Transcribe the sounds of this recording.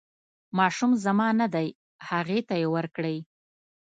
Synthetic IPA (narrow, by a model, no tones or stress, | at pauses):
mɑʃumzamɑnad̪aj | haɣet̪ajewəɾkɽəj